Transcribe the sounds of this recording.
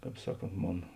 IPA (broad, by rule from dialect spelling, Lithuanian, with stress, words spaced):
ˈkɑːp ˈsɑːˌkoːnt ˈmoːn